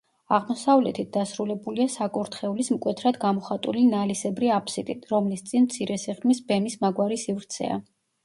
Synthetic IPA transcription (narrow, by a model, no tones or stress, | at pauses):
aʁmɔsavlɛt̪ʰit̪̚d̪asɾulɛbuliasakʼuɾt̪ʰχɛulismkʼwɛt̪ʰɾad̪ɡamɔχat̪ʼulinalisɛbɾiapʰsit̪ʼit̪ʰɾɔmlist̪sʼinmt̪sʰiɾɛsiʁmisbɛmismaɡwaɾisivɾt̪sʰɛ̰a̰